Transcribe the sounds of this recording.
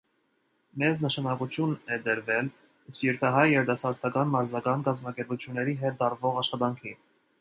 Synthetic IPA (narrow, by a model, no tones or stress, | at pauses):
mɛznəʃɑnɑkut͡sʰjunɛd̪əɾvɛl | ispjɛɾkʰɑɦɑjːɛɾd̪ɑsɑɾt̪ʰɑkɑnmɑɾzɑkɑnkɑzmɑkɛɾput͡sʰjunːɛɾiɦɛt̪̚d̪ɑɾvɔʁɑʃχɑt̪ɑŋkʰi